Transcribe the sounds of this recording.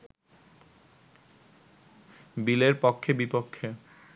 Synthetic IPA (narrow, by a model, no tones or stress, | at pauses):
bileɾpokʰːebipokʰːe